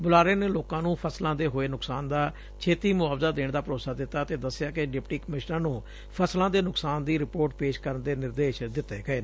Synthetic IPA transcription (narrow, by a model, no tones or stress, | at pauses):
bʊlaːɾeːneːloːkãːnũːpʰəslãːd̪eːɦoːeːnʊksaːnd̪aː | t͡ʃʰeːt̪iːmʊaːʋzaːd̪eːɳd̪aːpəɾoːsaːd̪ɪt̪ːaːt̪eːd̪əsːjaːkɪɖɪpʈiːkəmɪʃnəaɾnũː | pʰəslãːd̪eːnʊksaːnd̪iːɾɪpoːɾʈpeːʃkəɾənd̪eːnɪɾd̪eːʃd̪ɪt̪ːḛːkəeː